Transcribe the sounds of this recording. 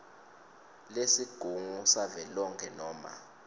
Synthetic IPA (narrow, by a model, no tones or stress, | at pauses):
lesiɡ̥ʱuŋusavɛlɔŋkʰɛnɔːma̰